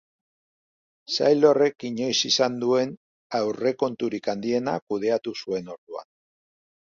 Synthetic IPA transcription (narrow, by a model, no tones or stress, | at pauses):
sa̰jlo̞re̞kiɲo̞jsisand̪ue̞n | awre̞ko̞nt̪uɾikand̪ie̞na̰kuð̞e̞at̪usue̞no̞ɾðua̰n